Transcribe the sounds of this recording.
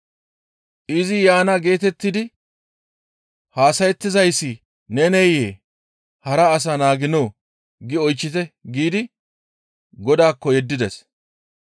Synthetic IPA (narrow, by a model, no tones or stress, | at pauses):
ʔɪzɪjaːnɐɡe̞ːt̪ɛt̪ːɪd̪ɪ | haːsɐjɛt̪ːɪzɐjsːɪ | nɛnɛjeː | hɐɾɐːs̬ɐnaːɡɪnoː | ɡɪɔjt͡ʃːɪt̪ɛɡiːd̪ɪ | ɡɔd̪aːkːɔjɛd̪ːɪd̪ɛs